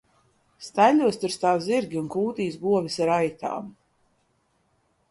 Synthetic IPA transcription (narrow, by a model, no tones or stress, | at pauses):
st̪alʲuɔst̪uɾst̪aːwziɾɡʲiunkuːt̪iːs̬ɡuɔvisaɾajt̪a̰ːm